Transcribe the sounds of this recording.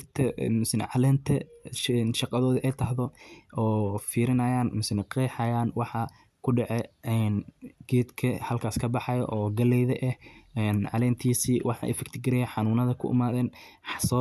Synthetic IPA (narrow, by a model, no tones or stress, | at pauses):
t̪ʰɐmʊsɪnɛ̰ʕɑlɛːnt̪ʰɐnʃɑqɑðɔːðɐʔɛjt̪ʰɐɦðɔɔːfiːɾɪnɐjaːnmʊsɪnɛqɛːħɑjaːnwɑħɑ | kʰʊɖɛʕɛɛːnɡ̥ɛːd̪kʰɐhɐlkʰaːskʰɐbɑħɑjɐ̰ʔɔːɡɐlɛjðɐʔɛhɛnʕɑlɛːnt̪ʰiːsiːwʔɑħɑ̰ːʔɛ̰fɪkt̪ʰɪɡɪɾɛjɛħɑnuːnɐðɐkʰʊ̰ʔɪ̰maːðɛːn | sɔ